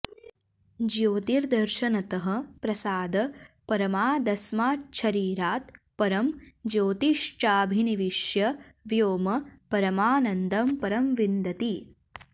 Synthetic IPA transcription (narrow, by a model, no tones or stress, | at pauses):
d͡ʒjoːt̪iɾd̪ɐɾʃɐnɐt̪ɐɦɐ̆pɾɐsaːd̪ɐ | pɐɾɐmaːd̪ɐsmaːʃʰɐɾiːɾaːt̪ | pɐɾɐmd͡ʒoːt̪iʃt͡ʃaːbʱiniʋiʃjɐʋjoːmɐpɐɾɐmaːnɐnd̪ɐmpɐɾɐmʋind̪ɐt̪i